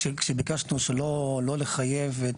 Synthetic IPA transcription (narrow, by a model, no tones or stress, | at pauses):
ekʃebikaʃnuʃelolo̞leχajeve